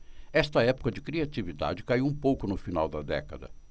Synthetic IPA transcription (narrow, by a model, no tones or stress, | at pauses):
ɛst̪ɐɛpʊ̥kɐd͡ʒɪkɾiat͡ʃivid̪a̰d͡ʒɪkaiwũpowkʊnʊfina̰wd̪ɐd̪ɛ̰kɐ̰d̪ɐ̰